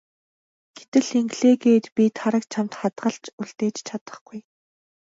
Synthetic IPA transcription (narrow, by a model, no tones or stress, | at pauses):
ɡ̥e̥t̪ɘ̆ɮeŋɡɮeːɡeːt̪pʲit̪ʰaɾə̆kt͡ɕʰamt̪χat̪ɢə̆ɬt͡ɕuɮt̪eːt͡ɕt͡ɕʰat̪ə̥̆χɡ̥uj